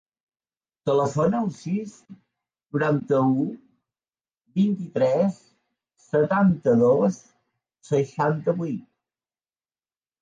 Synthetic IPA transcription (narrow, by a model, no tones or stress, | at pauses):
t̪ələfonəəlˠsis | nuɾant̪əu | bint̪it̪ɾɛsː | ət̪ant̪əðos | səʃant̪əβuit̪̚